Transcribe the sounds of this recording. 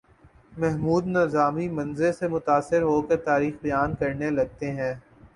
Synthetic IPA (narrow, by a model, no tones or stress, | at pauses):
mɛɦmuːd̪nɐzaːmimɐ̃nzelsemʊt̪aːsɪɾɦokɐɾt̪aːɾiːxbɐjaːnkɐɾnelɐɡ̚t̪eɦɛ̃ː